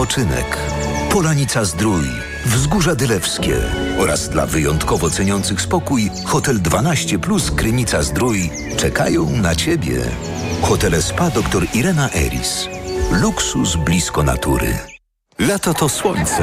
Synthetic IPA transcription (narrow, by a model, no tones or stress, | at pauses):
ɔt͡ʂɘnɛ̰kpɔlaɲit̪sazd̪ɾuj | vzɡuʐad̪ɘlɛfskʲɛ̰ɔɾʔa̰zd̪la̰vɘjɔnt̪kɔvɔt̪sɛɲɔnt̪sɘxspɔkuj | xɔt̪ɛld̪vanaɕt͡ɕɛpluskɾɘmʲit̪sazd̪ɾuj | t͡ʂɛka̰jɔ̃w̃nat͡ɕebʲjɛ̰ | xɔt̪ɛlɛspad̪ɔkt̪ɔɾiɾɛnaʔɛ̰ɾʲḭsluksusblʲiskɔna̰t̪uɾɘ̰ | lat̪ɔt̪ɔswɔɲʲt̪sɛ